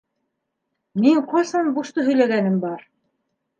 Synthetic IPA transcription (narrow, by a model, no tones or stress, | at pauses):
miŋqɑsɑnbuʃt̪ɤɦɵ̆jlæɡænɘmbɑɾ